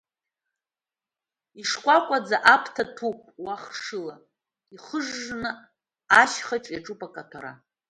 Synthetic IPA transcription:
iʂkʷʼakʷʼad͡zaʔapʰtʰatʰupʼwaχʂɨla | iχəʐːnɨ | aʃχaʈ͡ʂʼjaʈ͡ʂʼupʼakʼatʰaɾa̰

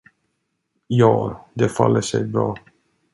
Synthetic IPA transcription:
jɑːd̪ɛfalːəʂɛjbɾɑː

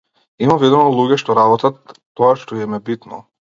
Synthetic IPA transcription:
imavid̪ɔmɔlˠuɡʲɛʃt̪ɔɾabɔt̪at̪ː | ɔaʃt̪ɔiɛmɛbit̪nɔ̰

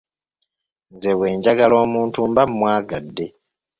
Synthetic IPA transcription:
nze̞βwe̞ːɲɟaɡalo̞ːmuːntumbammwaːɡadːe̞

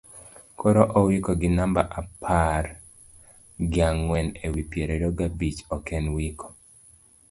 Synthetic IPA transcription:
kʰoɾoʔɔwikɔɡɪnamba̰ʔapʰar | ɡɪaŋwɛnewipjeɾeɾoɡabit͡ʃɔkɛnwikʰo̥

